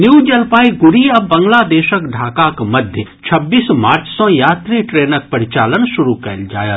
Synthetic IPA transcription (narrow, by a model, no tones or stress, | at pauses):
njuːd͡ʒɐlpaːiɡʊɾiɐbɐ̃ŋɡlad̪eːʃəkɖʱaːkakmɐd̪ʱjət͡ʃʰɐbːiːsmaːɾt͡ʃsõjaːt̪ɾiʈɾeːnək̚pɐɾɪt͡ʃaːlənʃʊɾukɛ̰ːld͡ʒa̰ːjə